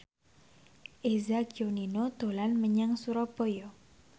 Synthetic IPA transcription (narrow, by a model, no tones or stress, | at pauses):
ʔezaɡioninod̪̥olanməɲaŋsuɾɔb̥ɔjɔ